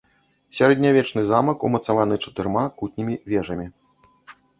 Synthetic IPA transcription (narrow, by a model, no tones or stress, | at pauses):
sʲaɾɛd̪ʲnʲavʲɛt͡ʂnɨzamɐkṵmɐt̪savanɨt͡ʂɐ̥t̪ɨrmakut̪ʲnʲimʲivʲɛʐɐmʲi